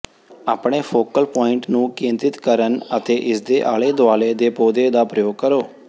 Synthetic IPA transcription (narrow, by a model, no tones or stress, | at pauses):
aːpɳeːpʰoːkəlpɔːɪɳʈnũːkĩːnt̪ɪt̪kəɾənət̪eːʔɪsd̪eːʔaːleːd̪ʊaːleːd̪eːpoːd̪eːd̪aːpɾəjoːɡ̚kəɾoː